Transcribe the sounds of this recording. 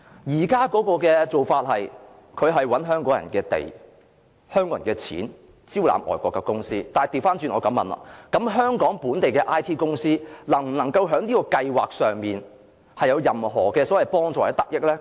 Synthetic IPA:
jiː˨˩kaː˥kɔː˨˥kɔː˧kɛː˧t͡so˨wfaː˧t̚hɐ˨j | kʰɵ˨˧ɥɦɐ˨jwɐ˨˥nɦœː˥ŋkɔː˨˥ŋjɐ̰˨˩nkɛː˧t̪ḛ˨j | hœː˥ŋkɔː˧˥˨kɛː˧t͡sʰḭː˨˥n | t͡siː˥wla̰ː˨˥mʔɔ̰ː˨jkʷɔː˧kːɛː˧kʊ˥ŋsiː˥t̪aː˨jt̪iː˨˩wfaː˥nt͡ʃyː˧nɔː˨˧kɐ˨˥mːɐ̰˨nlɐ̰ː˨kɐ˨˥mɦœː˥ŋkɔː˨˥ŋpuː˨˥nt̪e˨jkɛː˧ʔaː˥jt̪ʰiː˥kʊ˥ŋsiː˥lɐ˨˩ŋm̩˨˩nɐ˨˩ŋkɐ˧wɦœː˨˥ŋniː˥kɔː˧kɐ˧jwa̰ː˨k̚sœː˨ŋmiː˨n | hɐ˨jɐ˨˧wjɐ˨˩mɦɔː˨˩kɛː˧sɔː˨˥wɐ˨˩jpɔː˥ŋt͡sɔː˨˩hɐ˨˥t̪ɐ˨k̚jɪ˥k̚lɛ˥

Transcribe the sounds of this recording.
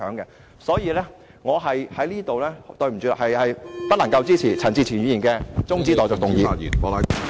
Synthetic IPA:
œː˨˥ŋkɛ˧ | sɔː˨˥jiː˨˧lɛː˥ | ŋɔː˨˧ɦɐ˨jhɐ˨˥jliː˥t̪o˨wlɛː˥t̪ɵ˧ɥm̩˨˩t͡sy̰ː˨˧˨hɐ˨jhɐ˨jp̪ɐ˥lɐ˨˩ŋkɐ˧wt͡siː˥t͡sʰiː˨˩t͡sʰɐ˨˩nt͡siː˨˧t͡sʰi˨˩ɥyː˨˧˥jiː˨˩nkɛː˧t͡sʊ˥ŋt͡siː˥t̪ɔː˨˧jt͡sɔː˨k̚t̪ʊ˨ŋjiː˨˧jḭ˨˩npɔː˨˧la˨˦

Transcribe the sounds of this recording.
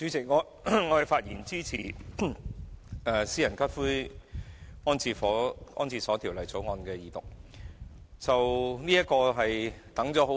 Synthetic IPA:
t͡ʃyː˨˥t͡sɪ˨˩k̚ŋɔ˨˧ | ŋɔː˨˧hɐ˨˩jfaː˧t̚jiː˨˩nt͡siː˥t͡sʰiː˨˩ | ɛː˨˧siː˥jɐ˨˩nkɐ˥t̚fuː˥j | ɔː˥nt͡sʰiː˧˩fɔː˨˥ʔɔ̰ː˥nt͡sʰiː˧˩sɔː˨˥t̪ʰi˨˩wlɐ˨jt͡so˨˥wŋɔː˧nkɛː˧jiː˨t̪ʊ˨˩k̚ | t͡sɐ˨wniː˥jɐ˥kɔː˧ɦɐ˨jt̪ɐ˨˥ŋt͡sɔː˨˥ɦo˨˥

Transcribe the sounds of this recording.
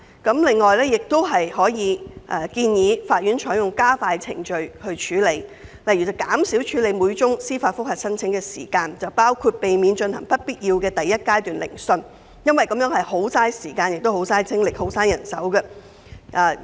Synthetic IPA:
kɐ˨˥mlɪ˨ŋːɔː˨jlɛː˥jɪ˨k̚t̪o˥wɦɐ˨jhɔː˨˥jiː˨˧ʔɐː˨˩kiː˧njiː˨˧faː˧t̚ɥyː˨˥nt͡ʃʰɔː˨˥jʊ˨ŋkaː˥faː˧jt͡sʰɪ̰˨˩ŋt͡ʃɵ˨ɥhɵ˧ɥt͡ʃʰyː˨˥le˨˧jlɐ˨˩jyː˨˩t͡sɐ˨˩wkaː˨˥msiː˨˥wt͡ʃʰyː˨˥le˨˧jmu˨˧jt͡ʃʊ˥ŋsiː˥faː˧tfʊ˥k̚hɐ˨t̚sɐ˥nt͡sʰɪ˨˥ŋkɛː˧sḭː˨˩kaː˧nt͡sɐ˨˩wpaː˥wkʰu˧t̚pe˨jmiː˨˧nt͡ʃɵ˧nhɐ˨˩ŋpɐ˥t̚piː˥t̚jiː˧wkɛː˧t̪ɐ˨jːɐ˥t̚kaː˥jt̪yː˨˩nlɪ̰˨˩ŋsɵ˧n | jɐ˥nwɐ˨jkɐ˨˧˥mjœː˨˥ŋɦɐ˨jho˨˥wsaː˥jsiː˨˩kaː˧njɪ˨k̚t̪o˥who˨˥wsaː˥jt͡sʰɪ˥ŋlɪ˨k̚ho˨˥wsaː˥njɐ˨˩nsɐ˨˥wkɛ˧ | ʔaː˨˩

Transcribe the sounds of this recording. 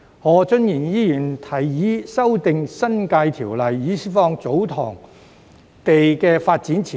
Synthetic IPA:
hɔː˨˧˥t͡sɵ˥njiː˨˩njiː˥jyː˨˩nt̪ʰɐ˨˩jːiː˨˥sɐ˥wt̪ɪ˨ŋsɐ˥nkaː˧jt̪ʰiː˨˩wlɐ˨jːiː˨˥si˥fɔː˧ŋt͡so˨˥wt̪ʰɔ̰ː˨˩ŋ | t̪e˨jkɛː˧faː˧t̚t͡siː˨˥nt͡sʰiː˨

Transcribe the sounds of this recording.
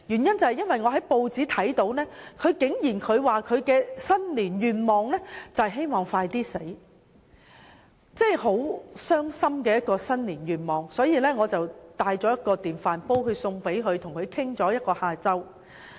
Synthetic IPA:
jyː˨˩njɐ˥nt͡sɐ˨hɐ˨jɐ˥nwɐ˨˩jŋɔː˨˧ɦɐ˨˥jpo˧wt͡siː˨˥t̪ʰɐ˨˥jt̪o˨˥wnɛː˥kʰɵ˨˧ɥkɪ˨˥ŋjiː˨˩nkʰɵ˨˧ɥwaː˨kʰɵ˨˧ɥkɛː˧sɐ˥nliː˨˩njyː˨˩nmɔː˨ŋlɛː˥t͡sɐ˨hɦe˥jmɔː˨˩ŋfaː˧jt̪iː˥se˨˥j | t͡sɛː˥˩jɦo˨˥wsœː˥ŋsɐ˥mkɛ˧jɐ˥t̚kɔː˧sɐ˥nliː˨˩njyː˨nmɔː˨˩ŋsɔː˨˥jiː˨˧lɛː˥ŋɔː˨˧t͡sɐ˨wt̪aː˧jt͡sɔː˨˥jɐ˥t̚kɔː˧t̪iː˨˩nfaː˨npo˥wɦɵ˨˧ɥsʊ˧ŋpe˨˥jɦɵ˨˧ɥt̪ʰʊ˨˩ŋkʰɵ˨˧ɥkʰɪ˥ŋt͡sɔː˨˥jɐ˥t̚kɔː˧haː˧t͡sɐ˥w

